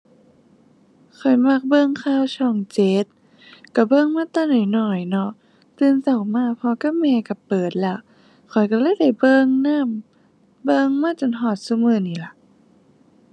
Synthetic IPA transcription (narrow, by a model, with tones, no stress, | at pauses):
kʰɔ˨˩jma˧˩k̚bɤ˧˨ŋkʰaː˧˥˨wt͡ɕʰɔː˧˩ŋt͡ɕe˧˦t̪̚ | ka˧˩bɤ˧˨ŋmaː˧˥˨t̪aː˧˩˨nɔː˨˩˦jnɔ˨˩jnɔ˧ | t̪ɯː˧˨nsa˨˩wmaː˧˥˩pʰɔː˧ka˧˥˩mɛː˧ka˧˩pɤː˨˩t̪̚lɛ˧˩ | kʰɔ˨˩˦jka˧˩laː˧˥˨jda˧˩jbɤː˧ŋnaː˧˥˨m | bɤ˧ŋmaː˧˥˨t͡ɕo˨˩˨nɦɔː˧˩t̪̚su˧mɯː˧˨niː˧˩la˧˦